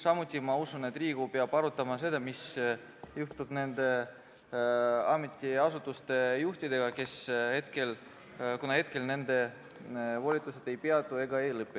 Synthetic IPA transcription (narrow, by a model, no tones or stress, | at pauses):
sɑmut̪ʲːˑimɑusunet̪d̪riːɡ̥upeɑb̥ɑɾut̪ːˑɑmɑse̞d̪̥ɑmis | juht̪ub̥ne̞nd̪e̞ | ɑmet̪ʲːˑiɑsut̪ːˑust̪e̞juht̪id̪e̞ɡ̥ɑke̞she̞t̪̚ke̞l | kunɑhe̞t̪̚ke̞lne̞nd̪e̞ | vo̞lʲit̪ˑːuse̞t̪ːe̞jpeɑt̪ˑːue̞ɡɑe̞jlɤpːˑi